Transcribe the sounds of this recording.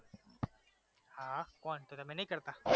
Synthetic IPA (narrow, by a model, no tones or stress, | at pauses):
hãkɔːnt̪ot̪amɛ̃nɐɦĩkɐɾt̪aː